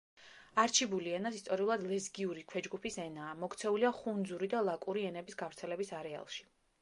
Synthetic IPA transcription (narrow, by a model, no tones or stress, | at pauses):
aɾt͡ʃʰibuliɛnasist̪ʼɔɾiulˠad̪lɛzɡiuɾikʰwɛd͡ʒɡupʰisɛnaːmɔkt̪sʰɛuliaχund̪zuɾid̪alˠakʼuɾiɛnɛbisɡavɾt̪sʰɛlɛbisaɾɛa̰lˠʃi̥